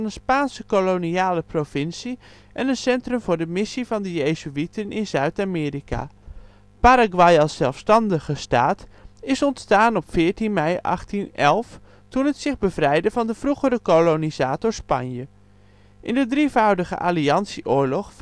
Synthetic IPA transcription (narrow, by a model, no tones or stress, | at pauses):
nənspaːnsəkoloniaːləprovɪnsi | ʔɛnənsɛntrɵmvʊːɹdəmɪsivɑndəjejzyitənɪnzœɥtaːmɪːrika̰ | paɾaɡwɑjɑlˠsːɛlˠfstɑndəχəstaːtɪsɔntstaːnɔpfɪːɹtinmɛjɑ̰χtinɛlˠf | tunɦətsɪχbəvrɛjdəvɑndəv̥ruχərəkolonizaːtɔɹspɑ̰njə | ʔɪndədrivɑwdəχə̰ʔa̰ːliɑnsiʔʊːɹlɔχ